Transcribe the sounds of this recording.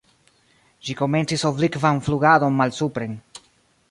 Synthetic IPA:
d͡ʒiko̞me̞nt͡sisoblikvanfluɡado̞nmalsupɾe̞n

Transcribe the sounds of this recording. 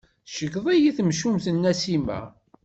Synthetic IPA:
ʃəɡðˤijiθəmʃumθənːæsimæ̰

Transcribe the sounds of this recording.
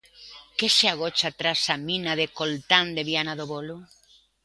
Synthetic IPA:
keseaɣ̞ot͡ʃat̪ɾasamĩnaðekolt̪and̪eβianaðoβolo

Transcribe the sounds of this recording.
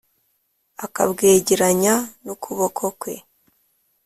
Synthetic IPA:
aka̰bɡeːɟiɾaɲanokʰuβokʰokwe̞

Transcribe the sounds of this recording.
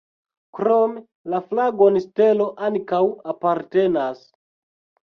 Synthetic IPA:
kɾome | laflaɡo̞nste̞lo̞ʔankawapaɾte̞nas

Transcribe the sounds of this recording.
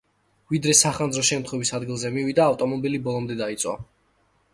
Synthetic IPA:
vid̪ɾɛsaχandzɾɔʃɛmt̪χwɛvisad̪ɡilˠzɛmivid̪aːft̪ʼɔmɔbilibɔlˠɔmd̪ɛd̪ait̪sʼwa̰

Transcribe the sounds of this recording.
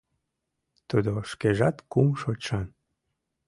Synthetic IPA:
t̪ud̪oʃkeʒɑt̪kumʃoʃɑn

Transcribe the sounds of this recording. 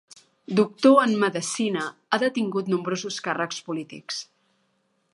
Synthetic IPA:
d̪uk̚t̪oənməðəsinəaðət̪iŋɡut̪numbɾozuskarəkspulit̪ḭks

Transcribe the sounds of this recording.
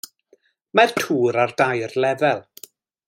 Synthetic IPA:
martʰuːɾardajrlˠɛvɛlˠ

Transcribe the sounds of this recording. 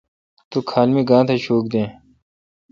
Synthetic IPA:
t̪uːkʰaːlmiːɡãːt̪ʰeɕoːk̚d̪ẽː

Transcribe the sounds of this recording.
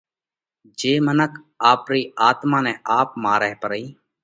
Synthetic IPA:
d͡ʒeːmənəkʰ | aːpɾiːaːt̪mãːnɛ̃ːʔaːpmaːɾɛːpəɾəiː

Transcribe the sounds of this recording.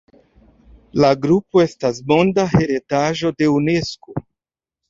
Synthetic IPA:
laɡɾupo̞e̞stasmo̞ndahe̞ɾe̞taʒo̞de̞une̞sko

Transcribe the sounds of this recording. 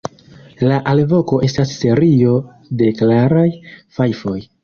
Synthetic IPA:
laʔalvo̞ko̞ʔe̞stasːe̞ɾio̞ | de̞klaɾajfajfo̞j

